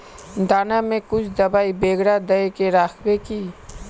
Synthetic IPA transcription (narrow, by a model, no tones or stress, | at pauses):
d̪aːnamẽkʊt͡ʃʰd̪ɐbaːibeːɡɽad̪ɐekeɾaːkʰwekiː